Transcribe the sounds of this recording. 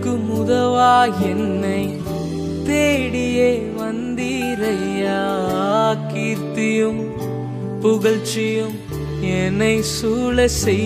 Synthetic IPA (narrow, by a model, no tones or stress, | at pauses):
kːɯmʊðɐʋaːɛnːɐɪ | t̪eːɽɪjeː | ʋɐnd̪i | ɾɐja | kiːɾt̪ɪjɯm | pʊɣɐɭt͡ʃɪjɯm | ɛnɐɪsuːɭɐsɛ